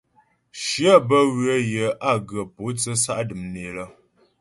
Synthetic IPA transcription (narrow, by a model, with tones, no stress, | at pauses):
ʃi˦a˦˨bə˦wɰə˦jə˨ʔa˦˨ɡə˨po˨˦t͡sə˦sa˦ʔdɨ˨mne˨lə˦